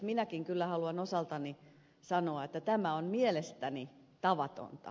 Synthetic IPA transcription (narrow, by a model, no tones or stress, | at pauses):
minækiŋkylːæhɑluɑnosɑlt̪ɑni | sɑnoɑet̪ːæt̪æmæonmielest̪æni | t̪ɑʋɑt̪o̰nt̪ɑ̰